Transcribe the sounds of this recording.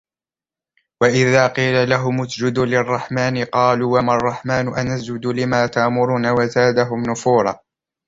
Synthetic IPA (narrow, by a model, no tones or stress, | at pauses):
waʔɪðaːqiːlalaɦʊmʊsd͡ʒʊd̪lɪrˤːɑħmaːnɪqɑːluːwamarˤːɑħmaːnʊʔanasd͡ʒʊd̪ulɪmaːt̪aʔmʊɾuːnawazaːd̪aɦʊmnʊfuːɾˤɑ̰ː